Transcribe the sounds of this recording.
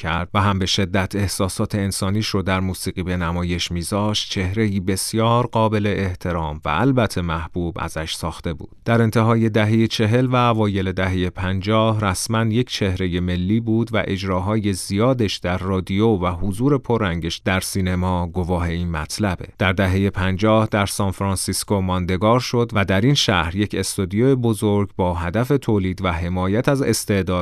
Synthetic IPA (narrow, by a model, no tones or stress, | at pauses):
æɾd̪̥væɦæmbe̞ʃe̞d̪ːæt̪ʰe̞hsɒːsɒːt̪ʰe̞ːnsɒːniːʃɾod̪æɾmuːsiːɣiːbe̞næmɒːje̞ʃmiːzɒːʃt̪̚t͡ʃʰe̞hɾe̞iːbe̞sjɒːɾɢɒːbe̞le̞ʔeht̪ʰe̞ɾɒːmvæ̰ælbæt̪ʰːe̞mæhb̥ubæ̰zæʃsɒːxt̪e̞bṵːd̪̥d̪̥æɾe̞nt̪ʰe̞ɦɒːje̞d̪æɦejet͡ʃʰe̞ɦe̞lvæːvɒːje̞le̞d̪æɦe̞jepʰænd͡ʒɒːhræsmænje̞cʰt͡ʃʰe̞hɾe̞je̞me̞lːiːbuːd̪væ̰ʔe̞d͡ʒɾɒːɦɒːje̞zijɒːd̪eʃd̪̥æɾːɒːd̪ijovæɦozuːɾe̞pʰoɾːæŋɟeʃd̪æɾsiːne̞mɒːɡo̞vɒːɦe̞inmæt̪ʰlæbe̞̰d̪̥æɾd̪æɦe̞je̞pʰænd͡ʒɒːhd̪æɾsɒːnfɾɑnsiskomɒnd̪e̞ɡɒːɾʃo̞d̪væd̪æɾinʃæ̰hɾje̞cʰe̞st̪od̪ijoebo̞zoɾɡbɒːɦæd̪æfe̞t̪ʰoːliːd̪væɦe̞mɒːjæt̪ʰæze̞̰st̪e̞ʔd̪ɒːd̪